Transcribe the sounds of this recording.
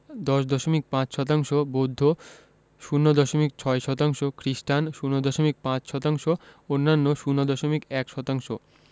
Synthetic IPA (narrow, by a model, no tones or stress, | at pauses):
d̪ɔʃd̪ɔʃomik̚pãt͡ɕʃɔt̪̬aŋʃobod̪ʱːo | ʃunːod̪ɔʃomik̚t͡ɕʰɔeʃɔt̪aŋʃokɾiʃʈanʃunod̪ɔʃomik̚pãt͡ɕʃɔt̪aŋʃoonːanːoʃunːod̪ɔʃomikɛkʃɔt̪aŋʃo